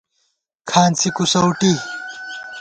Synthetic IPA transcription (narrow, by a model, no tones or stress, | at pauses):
kʰaːnt͡sʰikusɐwʈi